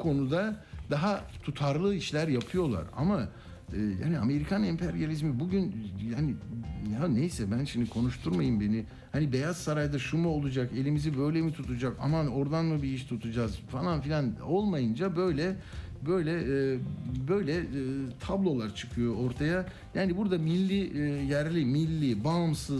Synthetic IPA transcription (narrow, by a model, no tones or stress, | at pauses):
kʰo̞nud̪ad̪aɦat̪ʰut̪ʰaɾlˠɯiʃlʲæɾjapʰɯjo̞lˠa̰ɾa̰ma | ɯːja̰ːniame̞ɾikʰanɛmpʰɛɾjalʲizmibuɟynjaːnianejsɛbænʃimd̪ikʰo̞nuʃt̪ʰuɾmajɯmbe̞ni | hanibe̞jaz̥saɾajd̪aʃumuo̞lˠud͡ʒake̞lʲimizibø̞jlʲemit̪ʰut̪ʰud͡ʒaka̰mano̞ɾd̪anmubiiʃt̪ʰut̪ʰud͡ʒaz̥falˠanfilʲano̞lˠmajɯnd͡ʒabø̞jlʲɛbø̞jlʲɛ | bø̞jlʲɛt̪ʰablˠo̞lˠaɾt͡ʃʰɯ̥kʰɯjo̞o̞ɾt̪ʰaja | jaːnibuɾd̪amilʲːijæɾlʲimilʲːibamsɯz